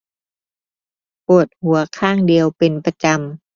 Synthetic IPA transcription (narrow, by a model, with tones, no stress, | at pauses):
po˨˩ət̪̚hu˨˩˦ɐkʰaː˥˩ŋdi˨˧əwpe˧npa˧t͡ɕa˧m